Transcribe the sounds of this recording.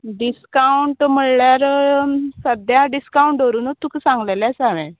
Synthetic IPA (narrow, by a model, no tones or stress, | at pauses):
ɖiskauɳʈm̤əɽljaɾ | səd̪ʱjaɖiskauɳʈoɾuːnot̪ʰːuksãŋɡleljasaʋeɛ̰̃